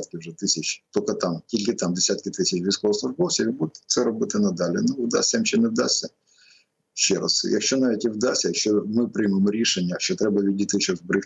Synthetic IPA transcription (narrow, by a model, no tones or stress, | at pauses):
t̪̚kʲɪwʒɛt̪ɪsʲɐt͡ʃt̪ɔkɐt̪ɑmtʲilʲkɪt̪ɑmd̪esʲat̪kʲɪt̪ɪsʲɪt͡ʃʋʲijskɔʋɐslˠʊʐbɔwsʲɐʋʲibud̪t̪ʲt̪sɛɾɔbɪt̪ɪnɐd̪ɑlʲɪnʊwd̪a̰sʲɐmʃʲɛnɛwd̪ɑsʲːɐ | ʃt͡ʃɛ̰ɾɐ̰sjɐ̰kʃt͡ʃɔnɑʋʲitʲɪwd̪ɑsʲsʲɐjɐkʃt͡ʃɔmɪpɾɪjmemɔɾʲiʃenʲːɐʃɔt̪ɾɛbɐʋʲidʲit̪ɪʃɔzbɾɪx